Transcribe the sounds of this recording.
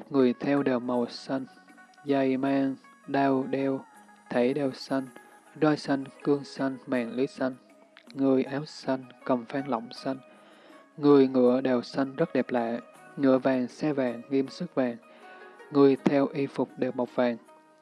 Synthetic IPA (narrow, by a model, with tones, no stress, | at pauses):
t̚ŋɨ˨˩əjt̪ʰɛ˧wɗeː˨˩w̚ma˨˩wsa˧jŋ̟ | za˧˩jmaː˧ŋ | ɗaː˧wɗɛ˧w | t̪ʰe˧˩ɗɛ˨˩wsa˧jŋ̟ | zɔ˧jsa˧jŋkɨ˧əŋsa˧jŋ̟maː˨˩ŋlɨ˨˦jsa˧jŋ̟ | ŋɨ˨˩əjʔaː˨˦wsa˧jŋ̟kə˨˩mfaː˧ŋlɔ̰˧˨wŋ͡msa˧jŋ̟ | ŋɨ˨˩əjŋɨ̰˧˥əɗɛː˨˩wsa˧jŋ̟zə˦˥t̚ɗɛ˨˩p̚la̰ː˧˨j | ŋɨ̰˧˥əvaː˨˩ŋsɛ˧vaː˨˩ŋːi˧əmsɨ˦˥k̚vaː˨˩ŋː | ɨ˨˩əjt̪ʰɛ˧wʔi˧fʊ˨˩k͡p̚ɗe˨˩w̚ma˨˩wk͡p̚vaː˨˩ŋ